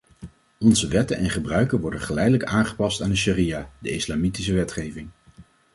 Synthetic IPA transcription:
ɔnzəʋɛtənʔɛnχəbrœɥkənʋɔɹdənχəlɛjdələkaːnχə̥pɑstaːndəʃirijadəɪslaːmitis̬əʋɛtχejvɪŋ

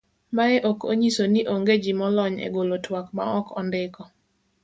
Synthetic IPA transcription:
maɛʔoko̰ɲisoniʔoŋɡed͡ʒimɔlɔɲḛɡolotwakma̰ɔkɔndɪkɔ

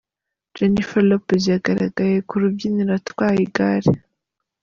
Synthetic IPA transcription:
d͡ʒenifalopzjaɡaɾa̰ɡajekuɾubɟiniɾatwaːjiɡaɾe

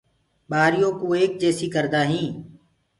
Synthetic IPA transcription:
ɓaːɾɪjõːkoːeːk̚d͡ʒɛːsiːkəɾd̪aːɦĩː

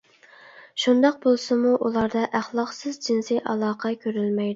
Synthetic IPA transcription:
ʃund̪ɑq̚bolˠsɨmuʔulˠɑɾd̪ɑʔæχlˠɑqsɨzd͡ʒinsiʔɑlˠɑːqʰɑkʲʰøɾylmɛjd̪ɪ

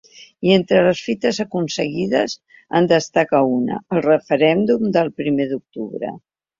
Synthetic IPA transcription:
ient̪ɾələsfit̪əzəkunsəɣið̞əz | ə̰nd̪əst̪akaunə̰əlˠrəfəɾɛnd̪umd̪əlˠpɾimeðuk̚t̪uβɾə̰

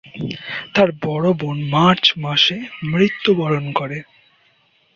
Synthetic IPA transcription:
t̪aɾbɔɽobonmaɾt͡ɕmaʃemɾit̪ːubɔɾonkoɾe

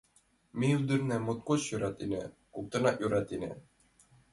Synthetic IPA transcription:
miud̪ɘɾnæmot̪̚koɕjŭɾɑt̪inɘ̰ | kuk̚t̪ɤ̆nɑʔjuɾɑt̪inɘ̰

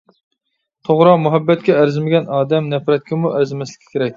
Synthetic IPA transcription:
t̪ʰoʁɾɑmuɦɛbːɛt̪̚kʲɛæɾzɪmɪɡʲɛnɑːd̪ɛmnɛfɾɛt̪̚kʲɪmuʔæɾzɪmɛslɪ̥kʲʰi̥kʲʰeɾɛkʲ

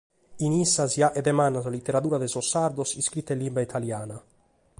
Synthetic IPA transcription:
inisːasjaʔɛd̪ɛmanːazalit̪ːeɾat̪uːɾad̪ɛsosːaɾd̪osiskɾit̪ːelːimbait̪ʰaljaːna

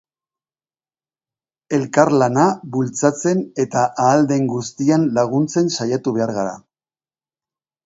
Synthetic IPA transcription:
e̞lkaɾlanaβult͡sat͡se̞ne̞t̪aʔaːld̪e̞ŋɡust̪ianlaɣ̞unt͡se̞nsajat̪uβ̞e̞aɾɣaɾa̰

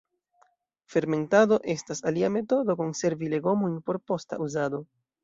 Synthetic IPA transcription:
fe̞ɾme̞ntado̞ʔe̞stasaliame̞to̞do̞ko̞nse̞ɾvile̞ɡo̞mojnpo̞ɾpo̞sta̰ʔuzado̞

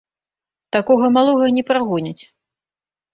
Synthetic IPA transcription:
t̪akɔɣɐmalˠɔɣɐnʲɛpɾaɣɔnʲɐt͡sʲ

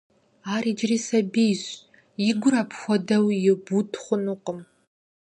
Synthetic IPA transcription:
aːriːd͡ʒriːsɐbejɕ | jɪɡʷʊɾapʰxʷɔdɐwjɪbutʰχʷʊnuqəm

